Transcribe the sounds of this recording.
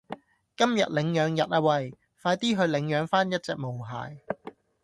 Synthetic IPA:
kɐ˥mjɐ̰˨t̚lɪ˨˧ŋjœː˨˧ŋjɐ˨t̚aː˧wɐ˨˩j | faː˧jt̪iː˥ɦɵ˨˧ɥlɪ˨˧˥ŋjœː˨˧ŋfaː˥njɐ˥t̚t͡sɛː˨k̚mo˨˩wɦa̰ː˨˧j

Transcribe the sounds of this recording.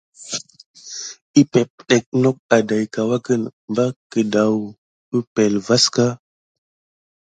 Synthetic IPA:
i˦pe˨p̚ɗe˨k̚no˦k̚a˨da˨jka˨wa˦kə˦nmba˦kə˨da˨w | ə˦pe˨lva˦ska˦

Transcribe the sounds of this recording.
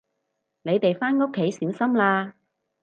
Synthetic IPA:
ne˨˧jt̪e˨jfaː˥nŋʊ˥kʰːe˨˥jsiː˨˥wsɐ˥mlaː˧

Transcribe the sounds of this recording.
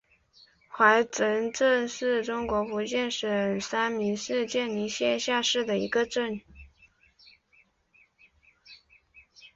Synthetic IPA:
xwa˧˥ɪʈ͡ʂə˧˥nʈ͡ʂə˥˧nʂɻ̩˥˩ʈ͡ʂʊ˥ŋkwɔ˧˥fu˧˥t͡ɕjɛ˥˩nʂə˨˩sa˥nmi˧˥ʂɻ̩˥˧t͡ɕjɛ˥˩nni˧˥ɕjɛ˥˧nɕja˥˧ʂɻ̩˥˩d̪ə˩ḭ˧˥ɡə˧ʈ͡ʂə˥˩n

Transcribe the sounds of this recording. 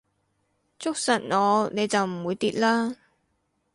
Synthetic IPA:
t͡sʊ˥k̚sɐ˨˩n̚ɔː˨˧ne˨˧jt͡sɐ˨wm̩˨˩wuː˨˧jt̪iː˨t̚laː˥

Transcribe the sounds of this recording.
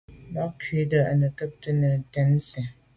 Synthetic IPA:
ba˦kɥe˨˦də˨a̰˨nə˨kə˦p̚tə˦nə˨tɛ˨˦n˦sɛ˨

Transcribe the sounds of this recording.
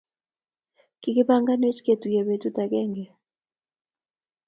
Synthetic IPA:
kike˦pa˦ŋɡa˦ne˦t͡ʃke˨tu˨jɛ˨βe˨t̪u˦ta˨kɛ˦ŋɡɛ˨

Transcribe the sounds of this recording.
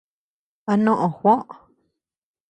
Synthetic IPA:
a˧nõ˦ʔõ˨xʷõ˦ʔ

